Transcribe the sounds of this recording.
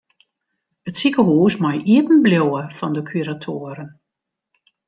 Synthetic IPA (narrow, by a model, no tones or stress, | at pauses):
ətsikəɦuːsmɔjʔiətən̩bljowəfɔndəkʰyɾatʰoəɾən